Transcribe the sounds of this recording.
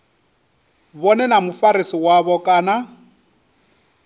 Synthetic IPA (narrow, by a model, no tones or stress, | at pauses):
βɔnɛnamufaɾisiwaβɔkʼaːna